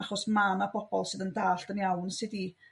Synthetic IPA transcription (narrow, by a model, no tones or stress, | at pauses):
aχɔsmanabʰɔb̥ɔlˠsɨðəndaːɬd̥ənjawnsɪdi